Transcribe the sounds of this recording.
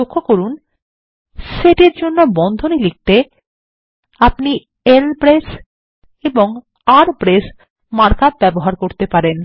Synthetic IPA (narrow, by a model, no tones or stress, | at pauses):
okʰːokoɾun | ʃeʈeɾd͡ʑonːobɔnd̪ʱonilik̚t̪e | apni | elpɾes | eboŋ | aɾpɾes | maɾkab̚bɛboɦaɾkoɾt̪epaɾen